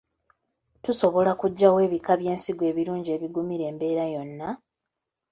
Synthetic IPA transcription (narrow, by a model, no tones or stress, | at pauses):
tuso̞βo̞lakuɟːawe̞ːβikaβje̞ːnsiɡwe̞ːβiɾuːɲɟie̞ːβiɡumiɾe̞ːmbe̞ːɾajo̞nːa